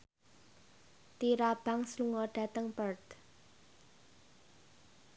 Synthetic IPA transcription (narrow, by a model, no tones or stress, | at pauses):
t̪iɾab̥a̤ŋsluŋɔɖ̥a̤t̪əŋpərd̪